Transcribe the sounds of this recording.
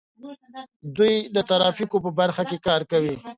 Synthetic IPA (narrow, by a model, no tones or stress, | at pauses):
d̪ujd̪ət̪aɾɑfikopəbaɾxakekɑɾkawi